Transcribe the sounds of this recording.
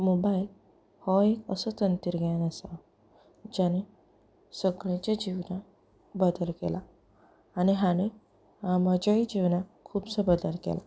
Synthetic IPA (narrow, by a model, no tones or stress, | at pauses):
mobail | hɔekəsət̪ənt̪iɾɡanasa | d͡ʑane | səɡɭãt͡ɕjad͡ʑiʋna | bəd̪əlkḛlaː | niɦane | aməd͡ʑaid͡ʑiʋnakʰuːbsəbəd̪əlkḛla̰